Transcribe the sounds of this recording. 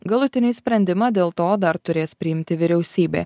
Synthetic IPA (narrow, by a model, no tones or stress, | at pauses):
ɡɐlˠʊt̪ʲɪnʲɪsʲpʲɾʲɛnʲd̪ʲɪmɑːd̪ʲeːlˠt̪oːd̪ɐɾt̪ʊɾʲeːspʲɾʲɪɪmʲt̪ʲɪʋʲɪɾʲɛʊsʲiːbʲḛː